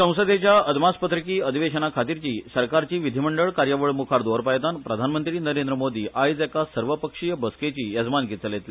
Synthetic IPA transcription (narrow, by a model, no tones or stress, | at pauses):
sə̃w̃səd̪et͡ɕjaəd̪ʱmaspət̪ɾikiːəd̪ʱiʋeɕənakʰat̪iɾt͡ɕiːsəɾkaɾt͡ɕiːʋid̪ʱiməɳɖəɭkaɾjəʋəɭmukʰaɾd̪oɾpajt̪anpɾəd̪ʱanmənt̪ɾiːnəɾẽnd̪ɾəmod̪ʱiːʔajd͡zakasəɾʋəpəkʂijəbəsket͡ɕiːjəd͡zmanɡit͡səlet̪li